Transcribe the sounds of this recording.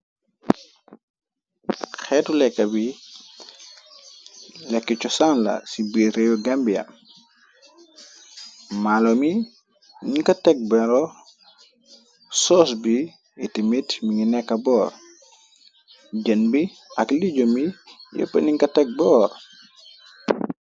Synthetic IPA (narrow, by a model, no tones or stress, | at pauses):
xɛːtulɛkːɐbi | lɛkːit͡ʃɔsanlɐ̰sibiɾejuɡambijɐ̰ | malomi | niŋkɐtɛk̚bɛɾɔ | sɔsbi | itimitmiŋinɛkːɐbɔːr | ɟɐnbi | ɐkliɟomijo̰pːɐniŋkɐtɛk̚bɔːr